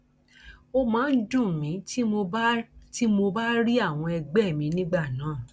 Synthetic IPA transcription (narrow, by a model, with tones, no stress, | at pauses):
o˧mãː˨˦n̩˦dũ˦˨mĩ˨˦ti˦mo˧˦ti˦mo˧ba˦ɾi˦a˦˨w̃ɔ̃˧ɛ˧ɡ͡bɛ˦˨mĩ˨˦nĩ˦ɡ͡ba˦˨nãː˨˦˨